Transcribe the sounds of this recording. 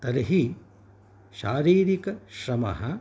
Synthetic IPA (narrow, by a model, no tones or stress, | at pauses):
t̪ɐɾɦi | ʃaːɾiːɾikɐʃɾɐmɐ̰ɦɐ